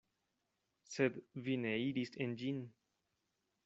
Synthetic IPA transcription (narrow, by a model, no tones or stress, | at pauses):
sed̪vineiɾisend͡ʒin